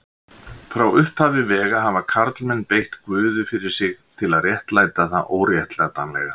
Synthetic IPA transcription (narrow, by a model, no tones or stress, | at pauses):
fɾawʏhphaːvɪvɛːɣaɦavakʰaɾt̪lmɛnːpejht̪kvʏːðʏfɪɾɪɾ̥sɪɣt̪ʰɪlaðrjɛht̪laːjt̪aθaʔoːwɾjɛht̪lɛɣat̪anlɛ̰ɣa